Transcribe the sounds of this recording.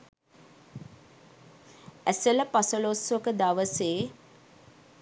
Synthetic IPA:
æsələpasəlosʋəkəd̪aʋəseː

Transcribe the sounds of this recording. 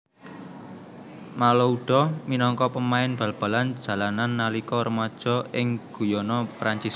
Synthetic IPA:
malɔuɖ̥ɔ̤minɔŋkɔpəmaɪnb̥ä̤lb̥a̤land̥d͡ʒ̥ä̤lananːalikɔɾəmad̥ʒ̥ɔ̤ʔɪŋɡ̥ujɔnɔpɾaɲt͡ʃis

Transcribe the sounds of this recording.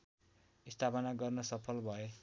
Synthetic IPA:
ist̪ʰapʌnaɡʌrnʌsʌpʰʌlbʱʌe

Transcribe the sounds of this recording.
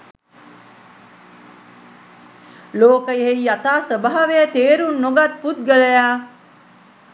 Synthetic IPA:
loːkəjiɦejjat̪aːsəbaɦɐʋejət̪eːɾunːoɡat̪̚put̪̚ɡəlejaː

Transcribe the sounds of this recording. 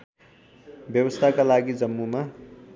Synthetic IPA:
bjʌwʌst̪ʰakalaɡid͡zʌmːuma

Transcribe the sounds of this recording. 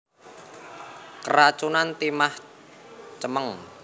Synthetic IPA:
kərat͡ʃunant̪imah | t͡ʃəməŋ

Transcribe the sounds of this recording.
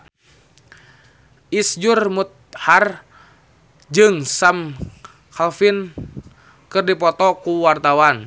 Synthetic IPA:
ʔisd͡ʒurmut̪̚har | d͡ʒɨŋsam | kalfin | kɨrdipɔt̪ɔkuwart̪awan

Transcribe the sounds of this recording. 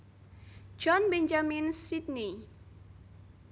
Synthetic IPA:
d͡ʒɔnbɛɲd͡ʒaminsit̪̚ni

